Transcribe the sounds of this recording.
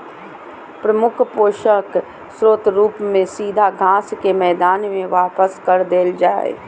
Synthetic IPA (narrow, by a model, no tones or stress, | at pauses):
pɾɐmʊkʰpoːʃək | sɾoːt̪ɾuːpmẽsiːd̪ʱaɡʱãːskemɛːd̪aːnmẽʋaːpəskɐɾd̪eːld͡ʒaːḛ